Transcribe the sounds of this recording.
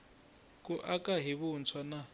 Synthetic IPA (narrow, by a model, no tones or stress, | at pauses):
kʼuʔakʼaɦiβunt͡sʰwana